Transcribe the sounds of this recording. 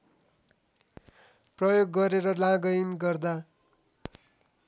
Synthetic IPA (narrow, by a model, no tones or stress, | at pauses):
prʌjoɡːʌɾeɾʌlãɡʌjnɡʌrd̪a